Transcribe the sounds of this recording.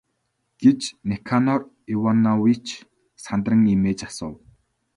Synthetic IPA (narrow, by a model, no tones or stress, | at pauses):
ɡ̥et͡ɕnekʰanɔr | iwanawit͡ɕ | sant̪rə̆ŋimeːt͡ɕasʊ̰ːw